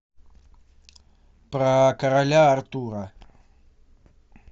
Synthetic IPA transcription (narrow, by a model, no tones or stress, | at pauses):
pɾakaɾaʎaːɾt̪uɾa